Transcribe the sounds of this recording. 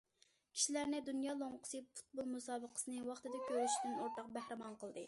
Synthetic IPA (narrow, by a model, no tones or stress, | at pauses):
kʲʰi̥ʃilæɾnɪd̪unjɑːlˠoŋqʰə̥sɨfu̥t̪̚bolˠmusɑːbəqʰə̥sɨnɨwɑχt̪ɨd̪ɑkʲʰøɾyʃid̪ynoɾt̪ɑq̚bæhɾɪmɑnqəlˠd̪ɨ